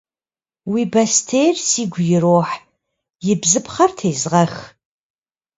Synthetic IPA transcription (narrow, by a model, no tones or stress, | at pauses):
wiːbɐstʰejrsiːɡʷʊjɪroːħ | jɪbzɨpχɐrtʰeːzʁɐx